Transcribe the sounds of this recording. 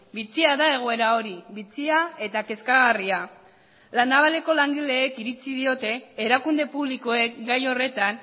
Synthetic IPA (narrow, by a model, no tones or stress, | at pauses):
bit͡siaðae̞ɣ̞o̞e̞ɾao̞ɾiβit͡siae̞t̪ake̞skaɣ̞aria | lanaβale̞ko̞laŋɡile̞ːkiɾit͡sið̞io̞t̪e̞ːɾakund̪e̞puβliko̞e̞kɡajo̞re̞t̪an